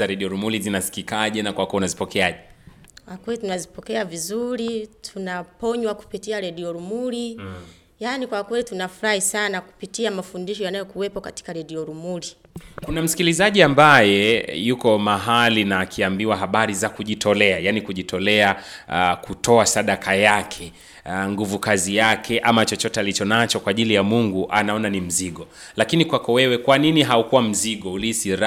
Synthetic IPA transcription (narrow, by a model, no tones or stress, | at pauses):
aɾɛɗiɔɾumulizinasi̥kikaʄɛnakwakɛunazipɔkɛaʄɛkwakwɛlitunazipɔkɛavizuɾitʰunapɔɲwaku̥pitiaɾɛɗiɔɾumuli | janikwakwɛlitunafuɾahisanaku̥pitiamafundiʃɔjanajɔkuwɛpɔkati̥kaɾɛɗiɔɾumuli | kunam̩si̥kilizaʄiambajɛjukɔmaɦalinakʰiambiwaɦaɓaɾizakuʄitʰɔlɛajanikuʄitʰɔlɛakutʰɔasaɗakʰajakʰɛ | ŋɡuvukazijakʰɛʔamat͡ʃɔt͡ʃɔtɛalit͡ʃɔnat͡ʃɔkwaːʄilijamuŋɡuʔa̰naɔnanim̩ziɠɔ | lakinikwakɔwɛwɛkwaniniɦaukuwam̩ziɠɔulisiɾa